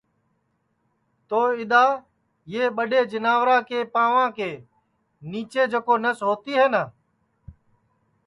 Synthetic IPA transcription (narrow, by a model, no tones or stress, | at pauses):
t̪oːɪɗ̪aː | jeːɓəɗeːd͡ʒənaːʋɾãːkeːpaːʋãːkeː | niːt͡ʃeːd͡ʒəkoːnəsɦoːt̪iːɦeːnaː